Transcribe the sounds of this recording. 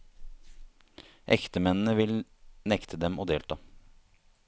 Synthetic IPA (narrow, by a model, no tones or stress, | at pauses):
ʔɛ̰kt̪əmɛnn̩əʋɪlnɛkt̪ʰəd̪ɛmoːd̪eːlt̪ʰɑː